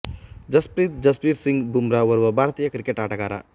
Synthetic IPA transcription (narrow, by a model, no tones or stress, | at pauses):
d͡ʒɐspɾit̪̚d͡ʒɐspiːɾsiŋɡbʱumɾaʋɐɾʋɐbʱaːɾt̪iːjɐkɾikeʈaːʈɐɡaːɾa̰